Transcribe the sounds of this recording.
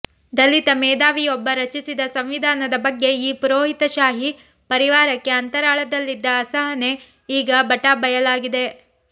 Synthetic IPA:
d̪ɐlit̪ɐmɛːd̪aːʋijɔbːɐɾɐt͡ʃisid̪ɐsɐmʋid̪ʱaːnɐd̪ɐbɐɡːe̞iːpuɾoːɦit̪ɐʃaːɦi | pɐɾiʋaːɾɐkːe̞ɐnt̪ɐɾaːɭɐd̪ɐlːid̪ːɐːsɐɦɐne̞ | iːɡɐbɐʈabɐjɐlaːɡid̪e̞

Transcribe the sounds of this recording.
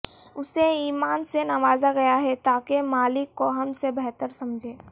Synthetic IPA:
ʊseiːmaːnsenɐʋaːzaɡɐjaɦɛt̪aːkemaːlɪkːoɦɐmsebɛɦt̪əɾsɐmd͡ʒʱeː

